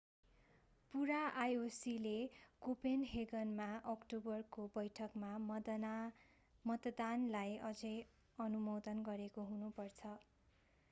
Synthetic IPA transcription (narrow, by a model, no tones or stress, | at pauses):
puɾaʔajosilekopenɦeɡʌnmaʔʌkʈobʌrkobʌjʈʰʌkma | mʌt̪d̪anlajʌd͡zʌj | ʌnumod̪ʌnɡʌɾekoɦunupʌrt͡sʰʌ